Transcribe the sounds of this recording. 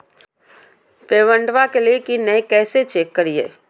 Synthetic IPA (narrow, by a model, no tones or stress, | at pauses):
peːʋə̃ɳɖʋakeliekinɛjkɛːset͡ʃekːəɾijḛː